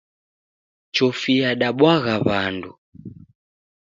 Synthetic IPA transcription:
t͡ʃɔfijaɗaɓwaɣaβandu

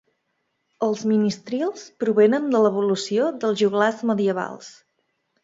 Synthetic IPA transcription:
əlˠzminist̪ɾialˠspɾuβenənd̪ələβ̞ulusiod̪əlˠzʒuɣlazməðiəβa̰lˠs

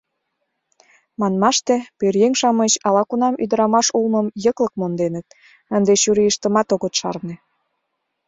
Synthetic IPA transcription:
mɑnmɑʃt̪ĕpørjeŋʲʃɑmə̆t͡ɕɑlɑkunɑmyd̪ə̆ɾɑmɑʃulmə̆mjəklə̆k̚mond̪enə̆t̪̚ | ə̆nd̪eɕyɾijəʃt̪ə̆mɑt̪oɣə̆t̪ʃɑ̰rne

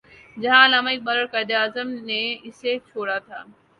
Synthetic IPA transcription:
d͡ʒɐɦãɐlaːmaːik̚ɓɐɾəɾkɐd̪eaːzəmneɪset͡ʃʰoːɽat̪ʰa̰ː

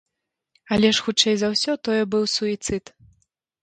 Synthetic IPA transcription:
ɐlʲɛʂxut͡ʂɛjzɐwsʲɔt̪ɔjɛbɨwsuit̪sɨt̪

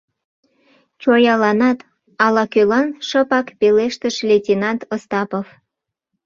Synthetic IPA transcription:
t͡ɕojɑlɑnɑt̪ | ɑlɑkølɑnʃəpɑkpeleʃt̪əʃlʲetʲinɑnt̪ost̪ɑpof

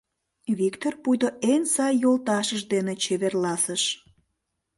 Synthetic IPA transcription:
βikt̪orpujd̪oʔensɑjːolt̪ɑʃəʃd̪enet͡ɕeβerlɑsəʃ

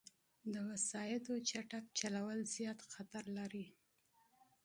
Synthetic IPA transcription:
d̪əwasɑjɪd̪ot͡ʃaʈak̚t͡ʃalawəlzjɑt̪xat̪aɾlaɾi

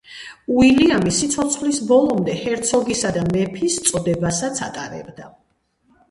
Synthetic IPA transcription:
uiliamisit̪sʰɔt̪sʰχlisbɔlˠɔmd̪ɛhɛɾt̪sʰɔɡisad̪amɛpʰist̪sʼɔd̪ɛbasat̪sʰat̪ʼaɾɛ̰bd̪a

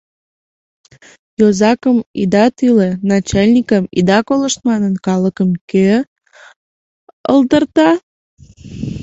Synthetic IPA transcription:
jozɑkəmid̪ɑt̪ylenɑt͡ɕɑlʲnʲikəmid̪ɑkoləʃt̪̚mɑnənkɑləkəmke | ə̰ld̪ərt̪ɑ

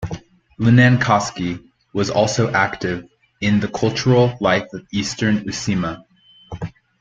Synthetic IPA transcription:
lɨnæ̃nkʰɑski | wʌzɔ̰lˠsoʊʔæktɪv | ɪ̃nðɨkʰʌlˠt͡ʃə˞l̩ˠlaɪfʌvistə̃˞nʉsĩmə

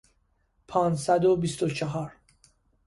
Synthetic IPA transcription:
pʰɒːnsæd̪obist̪ot͡ʃʰeɦɒːɾ

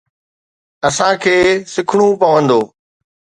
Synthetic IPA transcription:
ɐsãkʰeːsɪkʰɽ̃ũpɐʋə̃nd̪oː

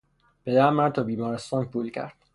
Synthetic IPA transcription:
b̥ed̪æmːæɾt̪ʰɒːbiːmɒːɾest̪ɒːnpʰuːlcʰæ̰ɾd̪̥̚

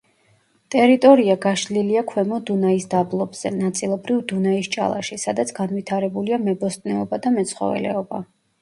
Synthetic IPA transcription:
t̪ʼɛɾit̪ʼɔɾiaɡaʃliliakʰwɛmɔd̪unaisd̪ablˠɔbz̥ɛ̰nat̪sʼilˠɔbɾivd̪unaist͡ʃʼa̰lˠa̰ʃisad̪at̪sʰɡ̥anvit̪ʰaɾɛbuliamɛbɔst̪ʼnɛɔbad̪amɛt̪sʰχɔ̰vɛ̰lɛ̰ɔba̰

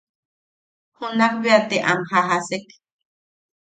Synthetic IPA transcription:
hunak̚beat̪eʔa̰mhaɦasek

